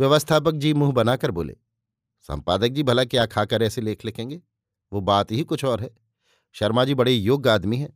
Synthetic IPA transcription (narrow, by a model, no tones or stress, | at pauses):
ʋjɐʋəst̪ʰaːp̬ək̚d͡ʒiːmuːɦbɐnaːkɐɾbo̰ːlḛː | sɐ̰̃mpaːd̪ək̚d͡ʒiːbʱɐlakjaːkʰaːkəɾɛːseleːkʰlɪkʰẽːŋɡeː | ʋoːbaːt̪ɦikʊt͡ʃʰɔːɾɦɛː | ʃɐɾmad͡ʒiːbɐɽijoːɡaːd̪miɦɛː